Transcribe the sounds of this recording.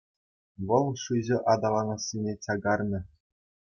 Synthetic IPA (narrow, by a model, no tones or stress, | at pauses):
ʋɤ̆lˠʂɯʑɘ̆ʔɑd̪ɑlˠɑnɤ̆sʲːinʲet͡ɕɑɡɑrnʲɤ̆